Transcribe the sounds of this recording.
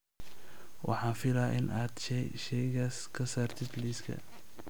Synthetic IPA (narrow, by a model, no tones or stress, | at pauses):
wʔɑ̰ħɑːnfɪlaːʔɪnʔaːd̪ʃɛʃɛjɣaːskʰɐsaːrt̪ʰɪd̪liːskʰɐ̰